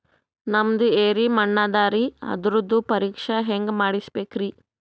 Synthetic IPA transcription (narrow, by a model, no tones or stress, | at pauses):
nɐmd̪ueːɾimɐɳːad̪aːɾiɐ̰d̪ɾud̪ːupɐɾiːkʂɐɦeŋɡmaːɽisbeːkɾi